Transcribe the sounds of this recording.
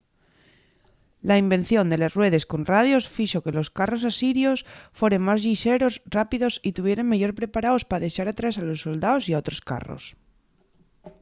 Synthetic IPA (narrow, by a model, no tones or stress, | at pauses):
laimbe̞n̟θjo̞nd̪e̞lezrwe̞ð̞e̞sko̞nrað̞jo̞sfiʃo̞ke̞lo̞skaro̞sasiɾjosfwe̞ɾe̞ŋmazʎiʃeɾosrapiðo̞sit̪uβ̞je̞ɾe̞ŋmeʝo̞ɾpɾe̞paɾaospaðe̞ʃaɾat̪ɾasalo̞sːo̞ld̪aosiaot̪ɾoska̰ro̰s